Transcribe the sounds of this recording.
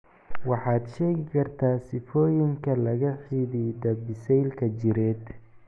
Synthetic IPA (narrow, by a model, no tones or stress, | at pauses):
wɑħɑːd̪ʃɛːɣɪkʰɐrt̪ʰaːsɪfɔːjɪŋkʰɐlɐɣɐħiːðid̪ɐbɪsɛjlkʰɐt͡ʃɪɾɛːd̪